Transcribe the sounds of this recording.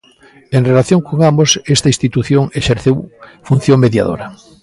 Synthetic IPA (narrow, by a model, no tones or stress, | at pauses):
eŋrelaθjõŋkoŋambosest̪ɐĩst̪it̪uθjoŋeʃeɾθewfũn̟θjõŋmeðja̰ðo̰ɾɐ